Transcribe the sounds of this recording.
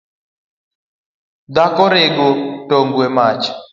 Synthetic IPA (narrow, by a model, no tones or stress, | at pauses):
d̪akɔɾeɡotoŋɡwemat͡ʃ